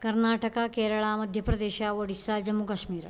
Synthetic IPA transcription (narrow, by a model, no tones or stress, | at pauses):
kɐɾnaːʈɐkakeːɾɐɭaːmɐd̪ʱjɐpɾɐd̪eːʃaːʋɐɽisːad͡ʒɐmukɐʃmiːɾ